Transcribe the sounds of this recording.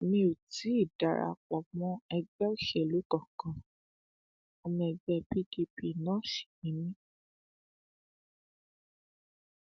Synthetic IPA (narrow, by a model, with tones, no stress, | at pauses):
nĩ˧o˨ti˨˦i˦˨da˨ɾa̰˧k͡pɔ˨mɔ̃˦ɛ˧ɡ͡bɛ˦o˦˨ʃɛ˨lu˨˦kɔ˦˨kã˨ | ɔ˧mɔ̃˧ɛ˧ɡ͡bɛ˧bi˦ki˧pi˧˨nã˦ʃi̥˨mĩ˨˦nĩ˦